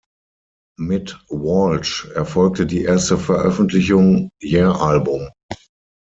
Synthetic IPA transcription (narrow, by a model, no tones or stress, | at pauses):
mɪtwɔlt͡ʃɛɐfɔlk̚tədiːʔeːɐstəfɛɐʔœfn̩tʰlɪçʊŋjɛːɐʔalbʊm